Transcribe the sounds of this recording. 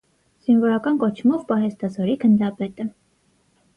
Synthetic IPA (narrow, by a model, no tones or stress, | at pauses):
z̥invɔɾɑkɑnkɔt͡ʃʰmɔvpɑɦɛst̪ɑzɔɾikʰənd̪ɾɑpɛt̪ə